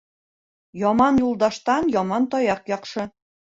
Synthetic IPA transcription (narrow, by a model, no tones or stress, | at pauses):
jɒmɑnjulˠd̪ɑʃt̪ɑnjɒmɑnt̪ɒjɑqjɑqʃɤ̆